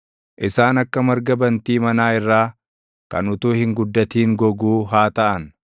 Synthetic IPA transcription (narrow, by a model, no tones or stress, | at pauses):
ʔɪsaːnɐkːɐmɐɾɡɐbɐnt̪iːmɐnaːɪrːaː | kɐ̰nʊt̪uːhɪŋɡʊd̪ːɐt̪iːŋɡɔɡuːɦaːt̪ɐʔɐn